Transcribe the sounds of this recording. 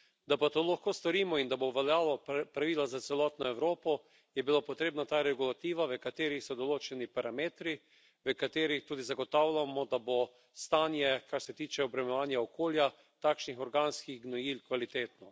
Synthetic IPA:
d̪apat̪olaxkoːst̪ɔɾiːmɔind̪aboʋaljaːlɔpɾaʋiːlazat̪sɛlɔːt̪nɔɛwɾoːpɔ | jɛbilapɔt̪ɾeːbnat̪aːɾɛɡulat̪iːʋaʋəkat̪eːɾixsɔd̪ɔloːt͡ʃɛnipaɾameːt̪ɾi | ʋəkat̪eːɾixt̪uːd̪izaɡɔt̪awlʲamɔd̪abo | st̪aːnjɛkaɾsɛt̪iːt͡ʃɛɔbɾɛmɛʋaːnjaɔkʰoːlja | t̪aːkʃnixɔɾɡanskiɣɡnɔjilkʋalit̪eːt̪nɔ

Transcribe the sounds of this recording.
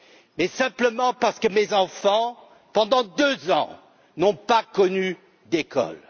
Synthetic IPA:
mɛsɛ̃pləmɑ̃paʁsə̥kəmezɑ̃fɑ̃ | pɑ̃d̪ɑ̃d̪øzɑ̃ | nɔ̃pakɔny | d̪ekɔ̰l

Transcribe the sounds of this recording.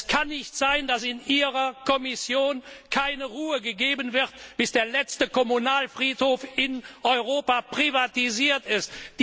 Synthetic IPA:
skʰanːɪçtz̥aɪndasɪnʔiːʁɐkʰɔmɪsjoːnkʰaɪnəʁuːəɡəɡeːbənvɪʁtb̥ɪsd̥eːɐlɛt͡stəkɔmunaːlfʁ̥iːthoːfɪnʔɔʏʁoːpapʁ̥ivatiziːɐtɪstd̥

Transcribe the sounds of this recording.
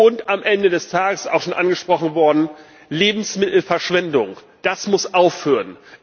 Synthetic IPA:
ʊntamʔɛndədɛstʰaːɡəsa̰ʊxʃoːnʔanɡəʃpʁ̥ɔχn̩vɔɐdn̩ | leːbm̩smɪtl̩fɛɐʃv̥ɛndʊŋ | d̥asmʊsʔaʊfhøːʁən

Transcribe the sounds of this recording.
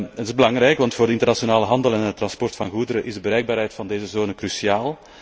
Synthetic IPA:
tɪzbəlɑŋrɛjkʋɑntfoːrdəɪntərnasionaːləɦɑndəlɛnət̪ːrɑnspɔrtfɑnɣudəɾəʔɪzdəbəɾɛjɡ̚baːɾɦɛjtfɑndeːzəzoːnəkɾysiaːlˠ

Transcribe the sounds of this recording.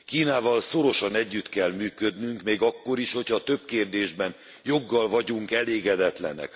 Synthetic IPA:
kiːnaːvɒlso̞ɾo̞ʃɒnɛɟːyt̪kɛlmyːkød̪nyŋkmeːɡɒkːo̞ɾiʃho̞cʰhɒt̪ø̞b̚keːrd̪eːʒbɛn | jo̞ɡːɒlvɒɟuŋkɛleːɡɛd̪ɛt̪lɛ̰nɛ̰k

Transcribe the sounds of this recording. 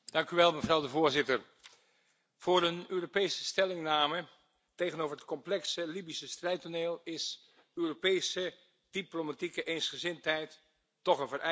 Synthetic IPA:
d̥ɑŋkyʋɛlˠməvrɑwdəvʊːɹzɪtər | v̥ʊːɾənøːropejsəstɛlɪŋnaːmə | tejɣənowvərɦət̚kɔmplɛksəlibisəstrɛjtoneːlˠɪs | øːropejsə | d̥iplomatikəʔensχəzɪntɦɛjtː | ɔχənvərɛ

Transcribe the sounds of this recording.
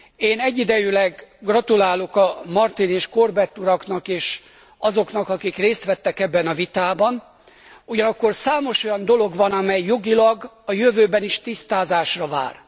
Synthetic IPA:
eːnɛɟːid̪ɛjylɛɡɡrɒt̪ulaːlo̞kɒmɒrt̪ineːʃko̞rbɛt̪ːuɾɒknɒkeːʃ | ɒzo̞kn̪ɒkɒkikreːst̪ʋɛt̪ːɛkɛbːɛnɒvit̪aːbɒn | uɟɒnɒkːo̞rsaːmo̞ʃo̞jɒnd̪o̞lo̞ɡʋɒnɒmɛjːo̞ɡilɒɡ | ɒjøvøːbɛniʃt̪ist̪aːzaːʃrɒva̰ːr

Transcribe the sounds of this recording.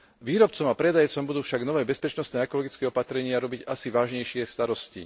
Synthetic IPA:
ʋiːɾɔp̚t͡sɔmapɾɛd̪ajt͡sɔmbud̪uːfʃaɡnɔʋɛːbɛspɛt͡ʃnɔst̪nɛːɛkɔlɔɡit͡skɛːɔpat̪ɾɛɲɪaɾɔbiɟasiʋaːʒɲɛjʃɪɛst̪aɾɔscḭ

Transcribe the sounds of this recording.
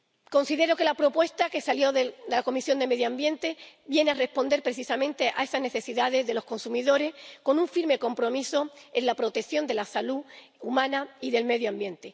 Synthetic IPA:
ko̞nsiðe̞ɾo̞ke̞lapɾo̞pwe̞st̪ake̞saljo̞ðeðe̞lako̞misjo̞nd̪e̞me̞ðjoambje̞nt̪e̞βje̞neare̞hpo̞nd̪e̞ɾpɾe̞θisamẽ̞nt̪e̞ʔa̰e̞sazne̞θe̞siðaðe̞zðe̞lo̞hko̞nsumiðo̞ɾe̞hko̞nũɱfiɾme̞ko̞mpɾo̞miso̞ẽnlapɾo̞t̪ekθjo̞nd̪e̞lasalu | umãnaiðe̞lme̞ðjoambjẽ̞nt̪e̞

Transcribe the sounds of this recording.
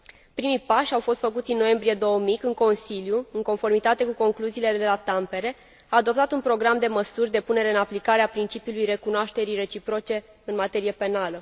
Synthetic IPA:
pɾimijpaʃʲawfo̞st̪fəkut̪sʲinːo̞je̞mbɾije̞d̪o̞womikɨŋko̞nsiljuɨŋko̞nfo̞rmit̪at̪e̞kuko̞ŋkluziːled̪ee̞lat̪ampe̞ɾe̞ | aːd̪o̞p̚t̪at̪unpɾo̞ɡɾamd̪e̞məsurʲd̪e̞pune̞ɾe̞ɨnaplikaɾe̞apɾint͡ʃipiulujre̞kunoaʃt̪e̞ɾijre̞t͡ʃipɾo̞t͡ʃe̞ | ɨnmat̪e̞ɾije̞pe̞nalə

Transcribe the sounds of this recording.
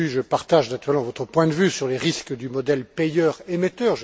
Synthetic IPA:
yʒəpaʁt̪aʒnat̪yʁɛlmɑ̃vɔt̪χəpwɛ̃d̪əvysyʁleʁiskd̪ymɔd̪ɛlpejœʁemet̪œʁʒ

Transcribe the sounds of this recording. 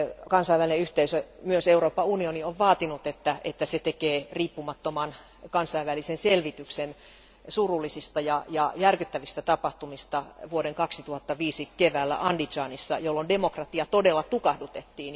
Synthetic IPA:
kɑnsɑiʋælineyht̪eisømyøseuroːpːɑunionioʋʋɑːt̪inut̪et̪ːæḛt̪ːæset̪ekeːriːpːumɑt̪ːomɑn | kɑnsɑiʋʋælisenselʋit̪yksen | surulːˑisist̪ɑjɑjɑjærkyt̪ːæʋist̪æt̪ɑpɑht̪umist̪ɑʋuoɾeŋkɑksit̪uhɑt̪ːɑʋiːsikeʋæːlːæ̰ʔɑndit͡ʃɑːnisːɑ̰jolːondemokrɑt̪iɑt̪odelːɑt̪ukɑhdut̪et̪ːiːn

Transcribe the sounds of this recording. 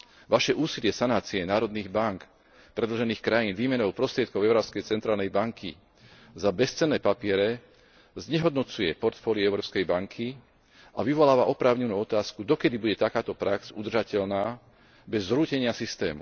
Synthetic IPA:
ʋaʃɛʔuːsilɪɛsanaːt͡siɛnaːɾɔd̪niːɣbaŋk | pɾɛd̪lɔʒɛniːxkɾajiːnʋiːmɛnɔʊpɾɔst̪ɾɪɛt̪kɔʊɛʊɾɔːpskɛjt͡sɛnt̪ɾaːlnɛjbaŋkʰḭ | zabɛst͡sɛnːɛːpapɪɛɾɛ | zɲɛɦɔd̪nɔt͡sujɛpɔɾt̪fɔːliɛʊɾɔːpskɛjbaŋkʰi | aʋiʋɔlaːʋaʔɔpɾaːʊɲɛnuːɔt̪aːskud̪ɔkɛd̪ibuɟɛt̪akaːt̪ɔpɾaksud̪r̩ʒacɛʎnaː | bɛzːɾuːcɛɲɪasist̪ɛ̰ːmṵ

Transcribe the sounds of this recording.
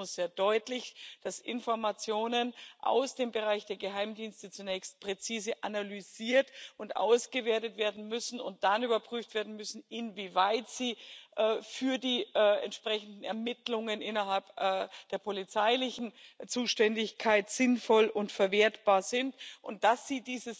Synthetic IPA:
ʊsz̥eːɐdɔʏtlɪçd̥asɪ̰nfɔɐmat͡sjoːnənʔa̰ʊsd̥eːmbəʁaɪçd̥eːɐɡəɦaɪmdiːnstət͡sunɛːçst̚pʁ̥ɛt͡siːzəʔanalyziːɐtʔʊntʔa̰ʊsɡ̥əveːɐtətv̥eːɐdn̩mʏsn̩ʊ̰nt̚d̥anyːbɐpʁ̥yːftv̥eːɐdn̩mʏsn̩ɪnviːvaɪtz̥iːʔɛːfyːɐdiːʔɛ̰ntʃpʁ̥ɛçn̩dn̩ɛɐmɪtlʊŋənʔɪnɐɦalpʔd̥eːɐpʰolit͡saɪlɪçn̩t͡suːʃtɛndɪçkʰaɪtz̥ɪnfɔlʔʊntfɛɐveːɐtb̥aːɐzɪntʔʊnt̚d̥asz̥iːdiːzəs

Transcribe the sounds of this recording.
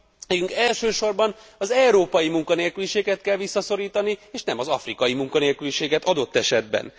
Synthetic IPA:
mɛːkyŋkɛlʃøːʃo̞rbɒnɒzɛwɾoːpɒjimuŋkɒneːlkyliʃeːɡɛt̪kɛlʋisːɒso̞ɾiːt̪ɒnieːʃnɛmɒzɒfrikɒjimuŋkɒneːlkyliʃeːɡɛt̪ɒd̪o̞t̪ːɛʃɛd̪̚bɛ̰n

